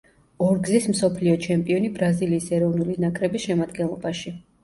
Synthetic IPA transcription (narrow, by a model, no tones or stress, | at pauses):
ɔɾɡzismsɔpʰliɔt͡ʃʰɛmpʼiɔnibɾaziliːsɛɾɔvnulinakʼɾɛbisʃɛmad̪ɡɛnlˠɔ̰baʃi